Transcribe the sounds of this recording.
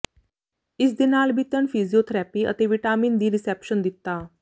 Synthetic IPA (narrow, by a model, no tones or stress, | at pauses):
ɪsd̪ɪnaːlbʱit̪ənfʰizijoːt̪ʰɾɛːpiːə̰t̪eːʋɪʈaːmiːnd̪iːɾɪsɛːpʃənd̪ɪt̪ːaː